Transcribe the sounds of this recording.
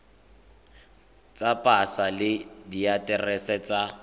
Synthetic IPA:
t͡sʼapʼasalɪdijatʼɛrɛsɛt͡sʼa

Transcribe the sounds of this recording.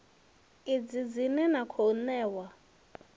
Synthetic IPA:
id͡zid͡zinɛnakʰonɛːwa

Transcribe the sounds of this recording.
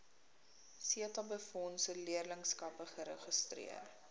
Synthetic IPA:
siətɐbəfɔnsəliərləŋskɐpəχəɾəχəstrḭər

